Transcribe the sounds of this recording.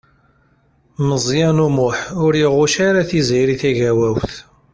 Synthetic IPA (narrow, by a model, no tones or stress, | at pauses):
məzˤjænumʊħʊɾiʁʊʃaɾaθizjɾiθæʝæwæwθ